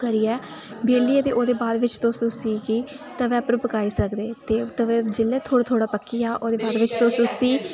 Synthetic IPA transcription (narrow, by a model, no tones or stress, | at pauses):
kəɾiːɛː | beːliːet̪eːʔoːd̪eːbaːd̪ʋɪt͡ʃt̪õːsʊsiːkiː | t̪əʋɛ̃ːpəɾpəkaːiːsəkd̪eːt̪eːt̪əʋɛ̃ːd͡ʒɪlːɛːt̪ʰoːɽat̪ʰoːɽaːpəkːiːaːʔoːd̪eːbaːd̪ʋɪt͡ʃt̪õːsʊ̃siː